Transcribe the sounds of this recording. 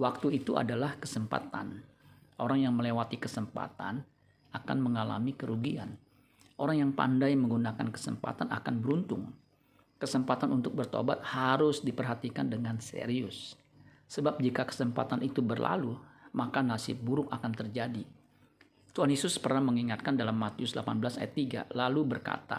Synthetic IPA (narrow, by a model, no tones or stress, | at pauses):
wak̚t̪uit̪uʔa̰dalahkəsəmpa̰t̪a̰noɾaŋjaŋməlewat̪ikəsəmpa̰t̪a̰n | aka̰nməŋala̰mikəɾuɡia̰n | ʔoɾaŋjaŋpa̰ndajməŋɡunakankə̥sə̰mpa̰t̪ana̰kanbəɾunt̪ʊ̰ŋ | kəsəmpat̪anʔunt̪ʊk̚bərt̪o̰bat̪̚haɾʊsdipərɦat̪ikandəŋansḛɾiʊsː | əbap̚d͡ʒikakə̥səmpa̰t̪anʔit̪ubərlʔa̰lumakanasɪ̰t̪̚buɾʊkakant̪ərd͡ʒadi | t̪uhanjesʊspərnahməŋiŋat̪̚kandalamːat̪iʊsdlapanbəlasa̰jat̪ːiɡa̰lalubərka̰t̪a̰